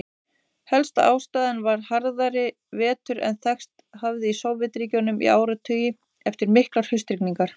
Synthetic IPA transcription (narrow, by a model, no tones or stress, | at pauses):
hɛlst̪aa̰ːwst̪aːðɪnvaɾ̥haɾðaɾɪ | vɛːt̪ʏɾɛ̰nθɛxst̪havðɪisoːwvɪt̪ɾiːcownʏmḭaːwɾʏat̪ʰœːjɪ | ɛft̪ɪɾmɪhklaɾ̥hʏst̪ɾikniŋkaɾ̥